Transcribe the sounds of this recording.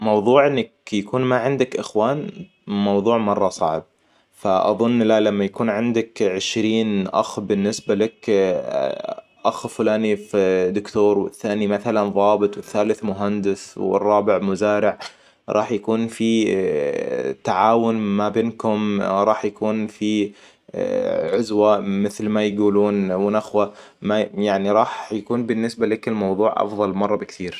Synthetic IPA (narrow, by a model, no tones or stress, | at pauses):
mɑwðˤuːʕʔɪnːakjakuːnmaʕɪnd̪akʔɪxwaːn | mɑwðˤuːʕmɑrˤːɑsˤɑʕb̚ | faʔɑ̰ðˤʊnːlalamːajakuːnʕɪnd̪akʕɪʃɾiːnʔa̰xbɪnːɪsbalak | ʔaxfʊlaːnifd̪ʊkt̪oːɾwɪθːaːnimaθalanðˤɑːbɨt̪ˤwɪθːaːlɪθmʊɦand̪ɪswɪ̰rˤːɑːbɪʕmʊzaːɾɪʕ | ɾˤɑːħjakuːnfi | t̪aʕaːwʊnmabeːnkʊmɾˤɑːħjakuːnfi | ʕʊzwamɪθlmajɡuːluːnwɪnʔaxwa | majaʕniɾˤɑːħjakuːnbɪnːɪsbalakɪlmɑwðˤuːʕʔɑ̰fðˤɑlmɑrˤːɑbɪkt̪ʰiːɾ